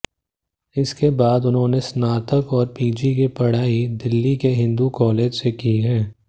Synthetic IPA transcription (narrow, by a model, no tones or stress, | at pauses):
ɪskebaːd̪ʊnɦõːnesnaːt̪əkɔːɾpiːd͡ʒikipɐɽ̤aːid̪ɪlːikeɦɪ̃nd̪ukɔːleːd͡ʒsekiɦɛ̃ː